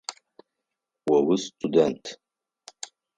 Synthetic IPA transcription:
wawʊstʷʼudɛntʼʰ

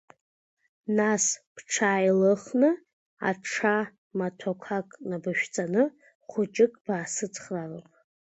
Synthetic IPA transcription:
naspʰʈ͡ʂʰaːjlɨχnɨ | a̰ʈ͡ʂʰa | matʰokʷʰakʼnabɨʃᶣt͡sʼanɨ | χʷʊt͡ʃʼɪkʼb̥aːsɨt͡sʰχralapʼ

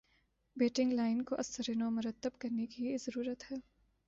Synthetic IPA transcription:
beːʈɪ̃ŋɡlaːɪnkoʔɐsəɾeːnomʊɾət̪ːəbkɐɾnekizɐɾuːɾət̪ɦɛː

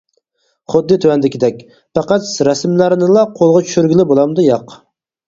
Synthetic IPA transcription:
χʊd̪ːɨt̪ʰøwɛnd̪ɪkʲɪd̪ɛk̚ʲ | pɑqæt̪sɾɛsmlæɾnɨlˠɑqʰolˠʁɑt͡ʃʰy̥ʃyɾɡʲilɪbolˠɑmd̪ujɑq

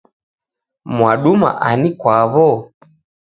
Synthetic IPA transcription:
mwaɗuma̰ʔanikwaβɔ

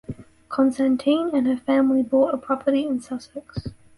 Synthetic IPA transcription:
kʰɒ̃nstæ̃ntʰĩnə̃nəfæ̃mlibɔˑtəpʰɹ̥ɒpʰəɾiɪ̃nsʌsɛks

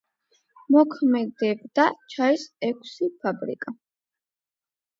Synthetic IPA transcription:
mɔkʰmɛd̪ɛbd̪at͡ʃʰaɛsɛkʰsipʰabɾḭkʼa

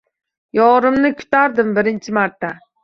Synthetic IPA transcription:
jɒɾɪmnɪkʲʰʊ̥t̪ʰaɾd̪ɪmbɪɾɪnt͡ʃʰɪmaɾt̪ʰːa

